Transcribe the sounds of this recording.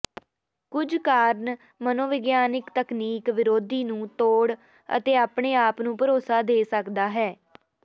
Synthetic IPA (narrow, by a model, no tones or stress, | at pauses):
kʊd͡ʒkaːɾn | mənoːʋɪɡjaːnɪkt̪əkniːkʋɪɾoːd̪iːnũːt̪oːɽ | ə̰t̪eːaːpɳeːaːpnũːpəɾoːsaːd̪eːsəkd̪aːɦɛː